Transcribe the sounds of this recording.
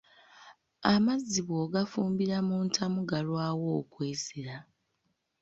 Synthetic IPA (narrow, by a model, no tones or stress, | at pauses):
amazːiβoɡafuːmbiɾamuːntʰamuɡalwaːwo̞ːkweːziɾa